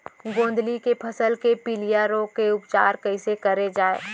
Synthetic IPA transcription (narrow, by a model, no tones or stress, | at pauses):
ɡõːnd̪ʱlikepʰɐsəlkepiːlijaɾõkeʊpt͡ʃaːɾkɐɪsekɐɾed͡ʒaːḛː